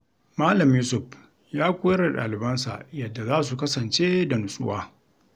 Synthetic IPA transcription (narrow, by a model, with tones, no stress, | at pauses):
maː˦lɐ˨mjuː˦sʊ˨ɸ | jaː˦kʷʊ˦jɐ˦ɽa˨ɗa̰ː˨lɪ˨bɐ˦nsa̰˨ʔjɐ˨dːa˨zaː˦s̬u˨kɐ˦sɐ˨nt͡ʃeː˦da˨nʊ˨sʼʊ̰˦waː˦